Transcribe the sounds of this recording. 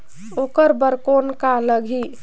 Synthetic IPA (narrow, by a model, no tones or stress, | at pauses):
okəɾbəɾkonkaləɡʱi